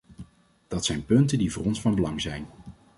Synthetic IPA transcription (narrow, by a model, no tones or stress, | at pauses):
d̥ɑtsɛjnpɵntəndivʊːrɔnsfɑnbəlɑŋzɛjn